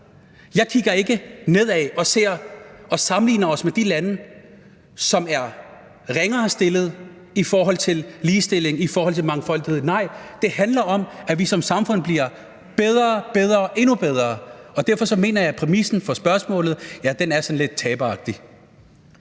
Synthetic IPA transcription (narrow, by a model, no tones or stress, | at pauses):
jɑ̈ɪkʰiɡ̥ɐe̝ɡ̥əne̝ð̞ˠɛɒ̽se̝ɐ̰ʔɒ̽sɑ̈mnlḭːnɐɒ̽smed̥ilænə | sɒ̽mæɐ | ʁeŋɐsd̥e̝lð̞̩ˠ | ifɒːɦɒ̽l̰t͡sʰe̝lliːsd̥e̝l̰e̝ŋifɒːhɒ̽l̰t͡sʰe̝lmɑ̈ŋfɒ̽l̰d̥ihe̝ð̰ˠnɑ̈ɪ̰d̥e̝hænlɐʔɒ̽mæʋisɒ̽msɑ̈mfɔ̽n̰b̥liɐ | b̥eð̞ˠʁɐːb̥eð̞ˠʁɐʔe̝nub̥eð̞ˠʁɐːɒ̽d̥æɐ̰fɒ̽sɒ̽me̝̰ːnɐjɑɪpʰʁɛmisn̩fɒ̽sb̥ɶɐsmɔ̰̽ːlð̩ˠjæd̥enæɐsɒ̽nle̝d̥̚t͡sʰɛːb̥əɑ̈ɡ̥̚d̥i